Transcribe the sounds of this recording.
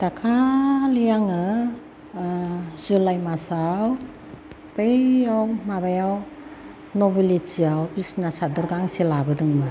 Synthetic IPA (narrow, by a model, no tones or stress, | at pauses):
takʰalijaŋɯ | zulajmasaw | pejawmabajaw | nɔbilit͡ʃiawbisnasadɔɾɡaŋselabɯdɯŋma